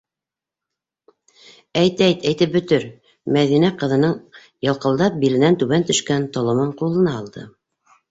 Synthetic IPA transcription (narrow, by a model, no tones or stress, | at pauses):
æjt̪æjt̪æjt̪ɘp̚bɵ̆t̪ɘɾ | mæðinæqɤ̆ðɤ̆nɤɴ | jɑ̆lˠqɤ̆lˠd̪ɑp̚bilɘ̆nænt̪ʉβænt̪ɵ̆ʃkænt̪ŏlˠɤ̆mɤɴqulˠɤ̆nɑːlˠd̪ɤ̰